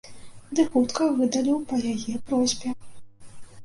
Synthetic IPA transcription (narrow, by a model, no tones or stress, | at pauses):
d̪ɨxut̪kɐvɨd̪ɐlʲiwpɐjajɛpɾɔzʲbʲɛ